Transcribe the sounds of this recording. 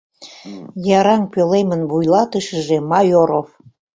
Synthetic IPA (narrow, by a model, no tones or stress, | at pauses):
jɑɾɑŋpølemənβujlɑt̪əʃəʒemɑjoɾof